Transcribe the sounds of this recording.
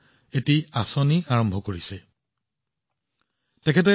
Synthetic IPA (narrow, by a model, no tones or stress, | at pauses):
etiasɔniaɹɔmbʱɔkoɹisɛ | tɛkʰɛt̬ɛ